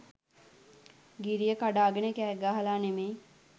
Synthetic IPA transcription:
ɡiɾijəkaɖaːɡənəkæːɡaːɦalaːneme

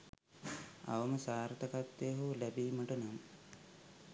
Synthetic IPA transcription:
a̰ʋəməsaːɾt̪ɐkat̪ːeːɦulæbiːməʈənamə

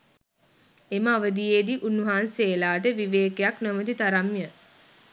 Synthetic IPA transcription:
eməaʋəd̪ijed̪iʔunːuɦaːnseːlaːʈəʋiʋeːkejaknəmət̪it̪aɾamjə

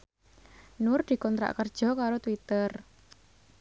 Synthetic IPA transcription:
nʊrd̪̥i̤kɔnt̪ɾa̰ʔkərd̥ʒ̥ɔ̤kaɾot̪wit̪ər

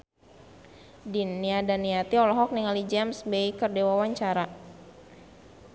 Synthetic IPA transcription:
dinːiadaniat̪iɔlɔɦɔk̚niŋalid͡ʒɛmsbeikərdewawaɲt͡ʃaɾa

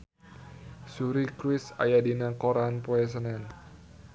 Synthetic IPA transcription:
suɾikɾɪsa̰jadinakoɾanpoɛs̬ənɛn

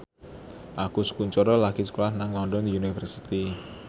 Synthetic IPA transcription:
ʔakusə̥kuɲt͡ʃɔɾɔlakisə̥kolahnaŋlɔnɖɔnd̪iunifərsit̪i

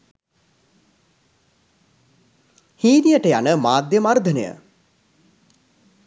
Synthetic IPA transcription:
hiːnijəʈəjanəmaːd̪jəmard̪ʱənəjə̰

